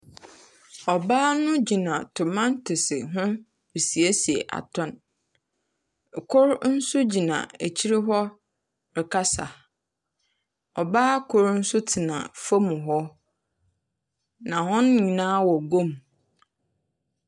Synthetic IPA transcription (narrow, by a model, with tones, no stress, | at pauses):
ɔ˨baː˦nʊ̃˦d͡ʑi˨nã˨tʰʊ˨mã˦ntʰɪ˨sɪ̰˨ɦʊ̃˦ | bi˨si˨e˦si˨ḛ˨ʔa̰˨tʰɔ̃˦˨n˨ | kʰʊ˦ɾn̩˦sʊ˦d͡ʑi˨nã̰˨e˨t͡ɕʰi˦ɾɪ˦ɦɔ˦ | ɾɪ˨kʰa˦sa̰˨ | ɔ˨baː˦kʰʊ˨ɾn̩˦sʊ˦tʰɪ˨nã̰˨fa˦mũ˨ɦɔ˦ | nã˨hɔ̃˦n˦ɲĩ˨nãː˦wɔ˨ɡõ˦˨m